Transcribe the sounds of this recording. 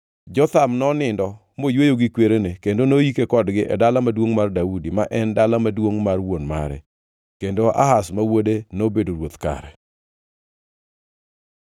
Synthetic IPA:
d͡ʒɔt̪amnɔnɪndɔ | mojwejoɡɪkweɾenekendonojikekɔdɡɪʔɛ̰dalamadwoŋmardaudimaʔɛndalamadwoŋmarwonma̰ɾɛ̰ | kendoʔa̰ɦasmawodenobedoɾwot̪ka̰ɾɛ̰

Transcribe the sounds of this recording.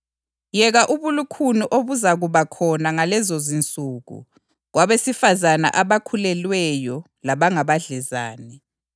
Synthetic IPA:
jɛɣaʔuβulukʰuniʔoβuzaɣuβakʰɔnaŋalɛzozint͡sʼuɣṵ | ɣwaβesifazana̰ʔaβakʰulɛlwɛjɔ | laβaŋaβaɮɛza̰ːnɛ

